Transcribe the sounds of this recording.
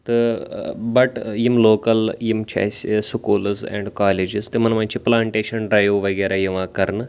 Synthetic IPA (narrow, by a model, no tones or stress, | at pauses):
t̪ɨ | bɐʈjimloːkɐljimt͡ʃʰa̰ːssukuːlzḛːɳɖkaːleːd͡ʒizt̪ɨmɐnɐmaːnt͡ʃʰiplaːɳʈeːʃɐnɖɾaːjoːʋɐɡeːɾʔaːjiʋãːkɐɾnɨ